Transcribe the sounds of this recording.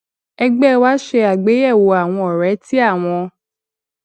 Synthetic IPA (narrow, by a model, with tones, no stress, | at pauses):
ɛ˧ɡ͡bɛ˦˧wa˦ʃe˧a˨ɡ͡be˨˦ɛ˦˨wo˨a˨w̃ɔ̃˧ɔ˨ɾɛ˨˦ti˦a˦˨w̃ɔ̃˧